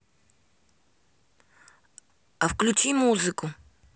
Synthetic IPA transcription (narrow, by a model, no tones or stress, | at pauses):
ɐfklʲʊt͡ɕimuzɨkʊ